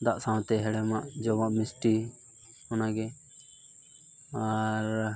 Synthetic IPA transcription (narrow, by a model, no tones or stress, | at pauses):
d̪aʔsãw̃t̪ɛɦɛɽɛmaʔd͡ʒɔmaʔmɪsʈi | ɔnaɡɛ | aɾ